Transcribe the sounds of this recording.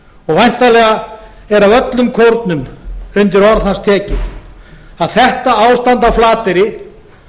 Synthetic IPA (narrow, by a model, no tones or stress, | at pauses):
ɔɣvajn̥t̪alɛɣa | ɛɾavœt̪lʏmkʰowɾt̪nʏmʏnt̪ɪɾɔɾðhanst̪ʰɛːcɪθ | aðθɛht̪aawst̪ant̪awflaːt̪ɪɾɪ